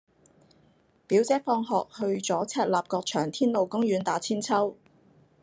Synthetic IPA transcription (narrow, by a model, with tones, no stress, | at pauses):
piː˨˥wt͡sɛː˥fɔː˧ŋɦɔː˨k̚hɵ˧ɥt͡sɔː˨˥t͡sʰɛː˧t̚laː˨p̚kɔː˧k̚t͡ʃʰœː˨˩ŋt̪ʰiː˥nlo˨˩wkʊ˥ŋjyː˨˥nt̪aː˨˥t͡sʰiː˥nt͡sʰɐ˥w